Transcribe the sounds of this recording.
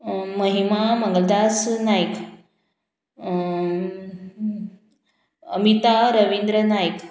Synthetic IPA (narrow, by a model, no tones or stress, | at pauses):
məɦimaməŋɡəld̪asnajk | əmit̪aɾəʋind̪ɾənajk